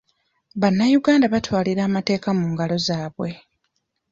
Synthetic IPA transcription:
βanːajuɡaːndaβatwaːliɾaːmate̞ːkamuːŋɡalo̞zaːβwe̞

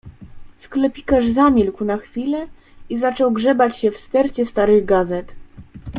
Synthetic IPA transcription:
sklɛpʲikaʐzamʲilkwnaxfʲilɛ | izat͡ʂɔwɡʐɛbat͡ɕɕɛfst̪ɛɾt͡ɕɛst̪aɾɘɣɡazɛt̪

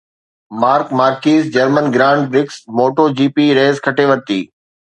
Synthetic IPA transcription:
maːɾkmaːɾkiːzd͡ʑɐɾmənɡɾãːɳɖ̚bɾɪksmoːʈod͡ʑiːpiɾeːzkʰɐʈʰeʋɐɾt̪ḭː

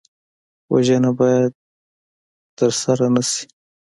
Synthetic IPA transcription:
wa̰ʒanabɑjad̪̚ | t̪əɾsaɾanasi̥

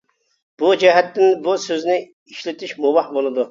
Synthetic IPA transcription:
b̥ud͡ʒɛɦɛt̪ːɪnbusøznɪ | iʃlɪt̪ʰɪʃmuvɑhbolˠɨd̪u

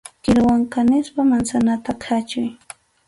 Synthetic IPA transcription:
kɪlwaŋkanɪspamansanat̪akʰat͡ʃʊj

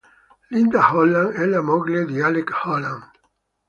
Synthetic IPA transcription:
lind̪ahɔlːaŋɛlamɔɡled̪ialekhɔlaŋ

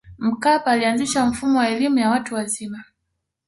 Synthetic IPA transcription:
m̩kapaːlianziʃam̩fumɔwaɛlimujawatuwazima

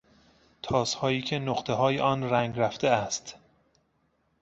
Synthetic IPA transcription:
t̪ʰɒːshɒːiːcʰe̞noqt̪ʰe̞ɦɒːjeʔɒːnræŋɡɾæft̪eæst̪

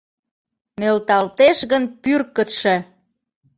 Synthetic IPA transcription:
nelt̪ɑlt̪eʃɣənpyrkə̆t̪ʃĕ

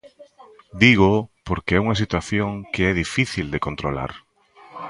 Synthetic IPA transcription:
d̪iɣ̞opoɾkeɛuŋɐsit̪waθjoŋkeɛðifiθild̪ekont̪ɾola̰ɾ

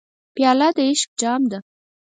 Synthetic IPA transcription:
pjɑlɑd̪əɪʃk̚d͡ʒɑmd̪a

